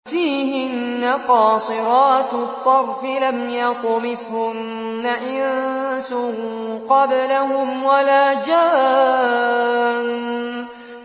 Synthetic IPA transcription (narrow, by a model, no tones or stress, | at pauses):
fiːhɪnːaqɑːsˤɨɾɑːt̪t̪ˤːɑɾˤfɪlamjaq̪ʊmɪthʊnː | aʔɪnnsʊhqɑblahʊmwalaːd͡ʒaː | n